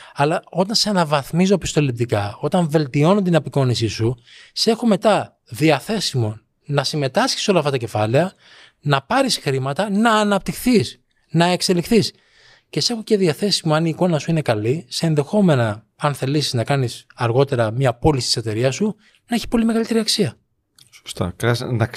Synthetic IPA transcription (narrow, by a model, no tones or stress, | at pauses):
ɐlɐo̞t̪ɐnsenɐvɐθmizopist̪o̞lip̚t̪ikɐo̞t̪ɐɱve̞lt̪io̞not̪inɐpiko̞nis̬isu | se̞xo̞me̞t̪ɐ | ðiɐθe̞simo̞ | nɐsime̞t̪ɐsçi̥so̞lɐft̪ɐt̪ɐce̞fɐle̞ɐ | nɐpɐɾisxɾimɐt̪ɐnɐːnɐp̚t̪ixθis | nɐe̞kse̞lixθis | ce̞se̞xo̞ce̞ðiɐθe̞simoɐniːko̞nɐsuinekɐliseːnðe̞xo̞me̞nɐ | ɐnθe̞lisiznɐkɐnisɐɾɣo̞t̪e̞ɾɐmɲɐpo̞lisi̥t̪i̥se̞t̪e̞ɾiɐsu | nɐeçi̥po̞lime̞ɣɐlit̪e̞ɾiɐksiɐ | so̥st̪ɐ̰kɐsnɐ